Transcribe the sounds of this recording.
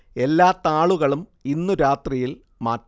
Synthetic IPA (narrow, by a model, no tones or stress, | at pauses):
e̞lːaːt̪ːaːɭuɣɐɭuminːuɾaːt̪rijil | maːtː